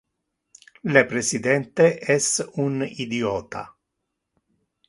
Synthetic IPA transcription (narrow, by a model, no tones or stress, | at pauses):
lepɾesid̪ɛnt̪eʔɛsunid̪iɔːt̪a̰